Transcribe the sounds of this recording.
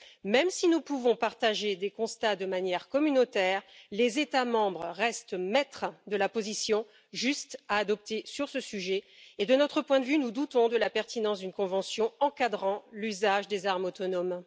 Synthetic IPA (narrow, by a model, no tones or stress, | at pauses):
mɛmsinupuvɔ̃paʁt̪aʒed̪ekɔ̃st̪ad̪əmanjɛʁkɔmynot̪ɛʁlezet̪amɑ̃bʁəːɛst̪mɛt̪χəd̪əlapozisjɔ̃ | ʒyst̪aːd̪ɔp̚t̪esyʁsəsyʒɛed̪ənɔt̪χəpwɛ̃d̪əvynud̪ut̪ɔ̃d̪əlapɛʁt̪inɑ̃sd̪ynkɔ̃vɑ̃sjɔ̃ɑ̃kad̪ʁɑ̃lyzaʒd̪ezaʁmot̪ɔnɔm